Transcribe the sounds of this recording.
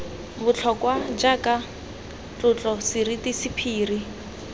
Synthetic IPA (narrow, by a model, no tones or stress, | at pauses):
bʊt͡ɬʰɔkwad͡ʒakʼa | t͡ɬʊt͡ɬʼɔsɪritisipʰiːri